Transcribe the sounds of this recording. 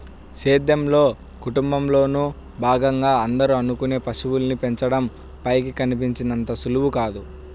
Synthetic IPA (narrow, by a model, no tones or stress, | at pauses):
seːd̪jɐmlo̞ː | kuʈumbɐmlo̞ːnu | bʱaːɡɐŋɡaːɐnd̪ɐɾuɐnukune̞ːpɐsuwulnipeɲt͡ʃɐɽɐm | pɐjkikɐnip̬iɲt͡ʃinɐnt̪ɐsuluwukaːd̪u